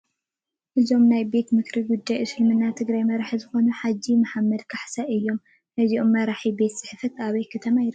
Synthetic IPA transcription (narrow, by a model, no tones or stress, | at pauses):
ʔɨzo̞mnajbe̞t̪mɨkɾiɡud̪ːajɨsɨlmɨnːat̪ʰɨɡɾajmɐɾaħizɨxo̞nuħad͡ʒːimaħamːɐd̪kʰaħsɐʔɨjːo̞m | nɐziʔo̞mːɐɾaħibe̞t̪sɨ̥ħfɐt̪aβɐjkʰɨt̪ʰɐmajɾ